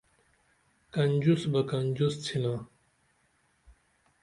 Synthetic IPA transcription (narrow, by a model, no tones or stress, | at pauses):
kɐnd͡ʑusbɐkɐnd͡ʑust͡sʰina